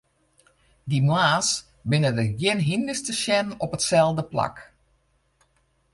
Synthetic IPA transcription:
dimwaːs | bɪnədəɡjɪnɦindəstəʃjɛnɔpətsɛlˠdəpla̰k

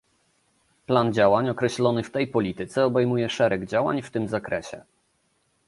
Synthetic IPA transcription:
pland͡ʑawaɲɔkɾɛɕlɔnɘft̪ɛjpɔlʲit̪ɘt̪sɛɔbɛjmujɛʂɛɾɛɡd͡ʑawa̰ɲft̪ɘmzakɾɛɕɛ̰

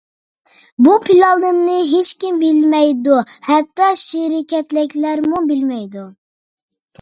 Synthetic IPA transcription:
bupʰilɑlˠd̪ɨmnɨɦet͡ʃkʲimbɪlmɛjd̪uhɛt̪ːɑʃɪɾɪkʲɛt̪lɪkʲlæɾmubɪlmɛjd̪u

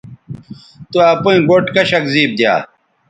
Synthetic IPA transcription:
t̪uɐpuĩɡoʈkɐɕɐkziːb̚d̪ja̰ː

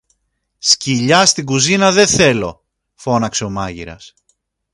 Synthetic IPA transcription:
sciʎɐst̪iɡuzinɐðe̞θe̞lo̞̰ | fo̞nɐkse̞o̞mɐʝiɾɐ̰s

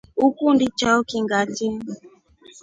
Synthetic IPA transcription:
ukundit͡ʃaukiŋɡati

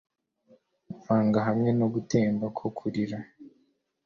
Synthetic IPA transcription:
faːŋɡaɦamŋe̞noɡute̞ːmbakʰokʰuɾiɾa

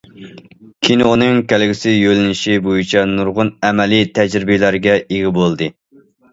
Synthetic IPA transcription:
kʲʰinoonɨŋkʲʰælɡʲɪsɪjølɪnɪʃibojit͡ʃʰɛnuɾʁʊnɛmɛlit̪ʰɛd͡ʒɾɪbɪlæɾɡʲɛeɡʲɪbolˠd̪ɨ

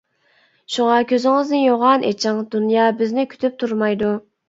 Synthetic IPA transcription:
ʃuŋɑkʲʰøzɪŋɪznɪjoʁɑnʔḛt͡ʃʰɪŋd̪unjɑːbɪznɪkʲʰy̥t̪ʰyp̚t̪ʰuɾmɑjd̪u

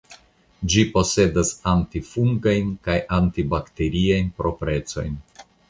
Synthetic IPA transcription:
d͡ʒipo̞se̞dasantifuŋɡajnkajʔantibakte̞ɾiajnpɾo̞pɾe̞t͡so̞̰jn

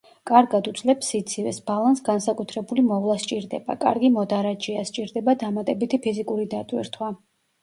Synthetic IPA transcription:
kʼaɾɡad̪ut̪sʼlɛpsit̪sʰivɛ̰sb̥alˠansɡansakʼut̪ʰɾɛbulimɔvlˠast͡ʃʼiɾd̪ɛ̰ba̰kʼa̰ɾɡimɔd̪aɾad͡ʒiast͡ʃʼiɾd̪ɛbad̪amat̪ʼɛbit̪ʰipʰizikʼuɾid̪at̪ʼwḭɾt̪ʰwa

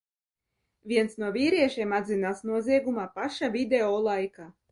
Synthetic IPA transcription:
vʲiɛnsnuɔvʲiːɾiɛʃiːmad̪zinaːsnuɔziɛɡumaːpaʃavʲid̪eɔːlˠajka

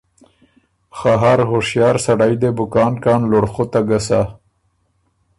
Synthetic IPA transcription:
xaɦaɾhoʂjɑːɾsaɽajd̪ebʊkɑːnkɑːnloɽxot̪aɡasa

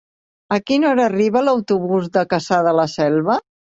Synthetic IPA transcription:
əkinɔɾəːriβələwt̪uβuzðəkəsaðələsɛlˠβə

